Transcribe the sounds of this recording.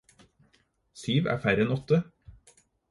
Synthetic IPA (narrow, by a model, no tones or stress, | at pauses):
syːʋæ̰ːfæɾɛnɔt̪ə